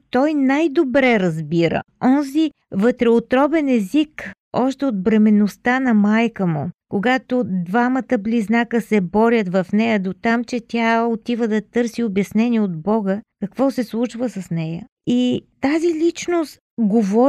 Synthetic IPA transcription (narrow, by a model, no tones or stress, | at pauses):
t̪ɔjnajd̪obɾɛɾɐzbiɾə̰ɔnzi | vət̪ɾɛot̪ɾɔbɛnɛzik | ɔʃt̪ɛod̪̚bɾɛmɛnost̪anɐmajkəmṵkoɡat̪od̪vamət̪əbliznakəsɛbɔɾʲət̪vɐfnɛjəd̪ot̪amt͡ʃɛt̪ʲaot̪ivəd̪ɐt̪ɤɾsiobjɐsnɛniɛod̪bɔɡəkɐkvɔsɛslˠut͡ʃvəsɐsnɛjə | it̪azilit͡ʃnost̪ɡovɔ